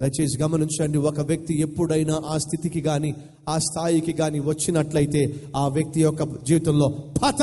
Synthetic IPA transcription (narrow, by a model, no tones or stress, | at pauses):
kɐjt͡ʃe̞ːs̬iɡɐmɐniɲt͡ʃɐɳɖiɔkɐʋjɐk̚t̪ie̞pːuɽɐjnaːʔaːst̪ʰit̪ikiɡaːni | aːst̪ʰaːjikiɡaːniʋɐt͡ʃːinɐʈlɐjit̪e̞ːaːʋjɐk̚t̪ijɔkːɐd͡ʒiːʋit̪ɐmlo̞ːbʱɐt̪